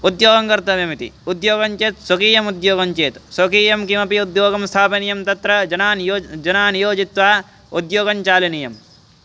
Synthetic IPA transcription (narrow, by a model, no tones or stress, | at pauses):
ud̪joːɡɐŋkɐɾt̪ɐʋjɐmit̪ḭud̪joːɡɐɲt͡ʃeːt̪sɐkiːjɐmud̪joːɡɐɲt͡ʃeːt̪sɐkiːjɐmkimɐpiud̪joːɡɐmst̪ʰaːpɐnijɐmt̪ɐt̪ɾɐd͡ʒɐnaːnːd͡ʒɐnaːnjoːd͡ʒit̪ʋaː | ud̪joːɡɐɲt͡ʃaːlɐnijɐm